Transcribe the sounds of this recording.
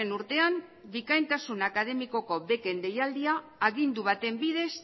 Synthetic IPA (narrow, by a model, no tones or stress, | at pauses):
enuɾt̪e̞am | bikajnt̪asunakað̞e̞miko̞ko̞βe̞ke̞nd̪e̞jald̪iaː | ɣind̪uβ̞at̪e̞mbið̞e̞s